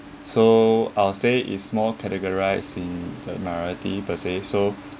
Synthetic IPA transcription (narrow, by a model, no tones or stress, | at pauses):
soaɪlseʔḭtsmɔlkʰɛtəɡɔɹaɪsĩndəmaɔɹitipəseso